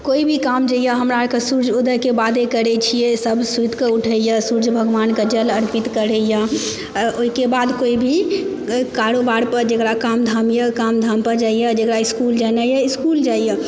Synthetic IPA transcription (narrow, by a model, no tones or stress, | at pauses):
koibʱikamd͡ʒəjəɦəmɾakesuɾd͡ʒod̪əɦkebad̪ekəɾɛt͡ʃʰijesəbsud̪ʱkeuʈʰəjəsuɾd͡ʒbʱəɡʋanked͡ʒələɾpit̪kəɾɛjə | oikebad̪koibʱi | kaɾobaɾpəɾd͡ʒekɾakamd̪ʱamjəkamd̪ʱampəɾd͡ʒaijəd͡ʒekɾaiskuld͡ʒanajəiskuld͡ʒajə